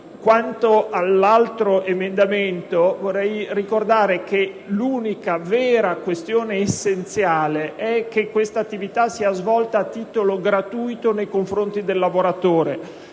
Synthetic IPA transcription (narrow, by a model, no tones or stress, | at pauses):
kwant̪oalːalt̪ɾoʔemend̪ament̪ovorːɛjrikord̪aːɾeke | luːnikavɛːɾakwest̪joːneːsːent̪sjaːleʔɛk̟ːekːwest̪at̪ːivit̪asiazvɔlt̪aːt̪ːiːt̪oloɡɾat̪uːjt̪onejkoɱfɾont̪id̪elːavoɾat̪oːɾe